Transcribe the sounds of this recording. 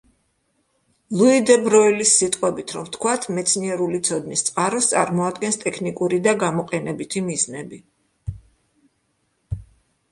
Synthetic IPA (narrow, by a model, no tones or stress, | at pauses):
lˠuid̪ɛbɾɔilisːit̪ʼqʼwɛbit̪ʰɾɔmt̪ʰkʰwat̪ʰmɛt̪sʰniɛɾulit̪sʰɔd̪nist̪sʼqʼaɾɔst̪sʼaɾmɔad̪ɡɛnst̪ʼɛkʰnikʼuɾid̪aɡamɔqʼɛnɛbit̪ʰimiznɛbi